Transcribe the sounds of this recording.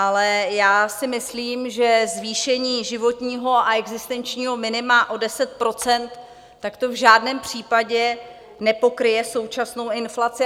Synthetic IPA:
ʔalɛjaːsɪmɪsliːmʒɛzviːʃɛɲiːʒɪvo̞t̪ɲiːɦo̞ʔaɛɡzɪst̪ɛnt͡ʃɲiːɦo̞mɪnɪmaʔo̞dɛsɛt̪̚pɾo̞t͡sɛnt̪ː | akt̪o̞vʒaːdnɛːmpr̝̥iːpaɟɛ | nɛpo̞kɾɪjɛso̞wt͡ʃasno̞wɪnflat͡sɪ

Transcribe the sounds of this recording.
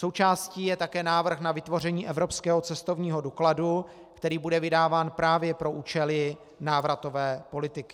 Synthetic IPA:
sowt͡ʃaːsciːjɛt̪akɛːnaːvr̩xnavɪt̪vo̞r̝ɛɲiːʔɛvɾo̞pskɛːɦot͡sɛst̪o̞vɲiːɦo̞dokladu | kt̪ɛɾiːbudɛvɪdaːvaːnpɾaːvjɛpɾo̞ʔuːt͡ʃɛlɪ | naːvɾat̪o̞vɛːpo̞lɪt̪ɪkɪ

